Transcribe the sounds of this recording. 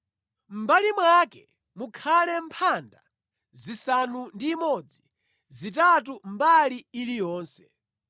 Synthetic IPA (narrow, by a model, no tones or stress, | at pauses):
m̩balimwakɛ | mukʰalɛmpʰanda | zisanundiːmɔd͡zi | zitatumbaliːlijɔːnsɛ